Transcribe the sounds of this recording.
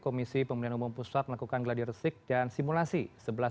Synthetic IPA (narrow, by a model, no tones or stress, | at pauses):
komisipəmunianumumpusat̪̚məlakukanɡladirsɪk̚dansimulasisəbəla